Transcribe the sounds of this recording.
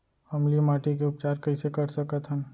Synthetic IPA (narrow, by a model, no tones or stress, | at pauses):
hɐmlimaːʈik̬eʊp̚t͡ʃaːɾkɐisekɐɾsɐkət̪ɦə̃n